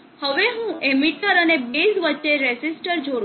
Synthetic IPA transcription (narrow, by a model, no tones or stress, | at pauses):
həʋeɦũemiʈəɾənebesʋətːʃeɾesisʈəɾd͡ʒoɽ